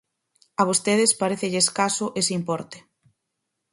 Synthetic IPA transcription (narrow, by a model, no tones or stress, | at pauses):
aβ̞ost̪eð̞ɪspaɾeθeʎeːskasʊʔesimpɔɾt̪e̥